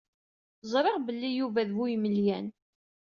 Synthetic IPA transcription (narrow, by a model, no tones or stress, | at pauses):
zˤɾˤɪʁbəlːijuvæðvujməljæn